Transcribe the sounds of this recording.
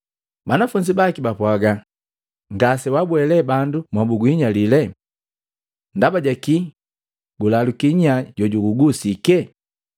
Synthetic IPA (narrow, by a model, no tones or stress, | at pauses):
banafuɲd͡ʒibakibapwaɡa | ŋɡasɛwabwɛlɛbandumwabuɡuiɲalilɛ | ndabaɟaki | ɡulalukiɲaɟɔɟuɡuɡusikɛ